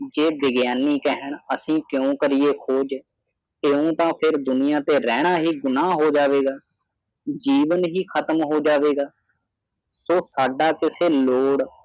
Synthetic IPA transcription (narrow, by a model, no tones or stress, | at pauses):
d͡ʒeːʋɪɡjaːniːkɛɦəɳ̃əsĩːkjõːkəɾɪjeːkʰoːd͡ʒ | eːõːt̪ãːpʰɪɾd̪ʊnɪjãːt̪eːɾɛːɽ̃aːɦiːɡʊnaːɦoːd͡ʒaːʋeːɡaː | d͡ʒiːʋənɦiːkʰət̪əmɦoːd͡ʒaːʋeːɡaː | soːsaːɖaːkɪseːloːɽ